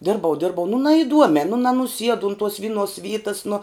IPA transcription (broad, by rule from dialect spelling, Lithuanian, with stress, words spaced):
ˈdʲɪrbɐʊ ˈdʲɪrbɐʊ nʊ nɐɪˈduɔmʲɛː nʊ nɐnʊˈsʲiɛdʊ ʊn tuɔs ˈʋʲɪnˌuɔs ˈʋʲiːtɐs nʊ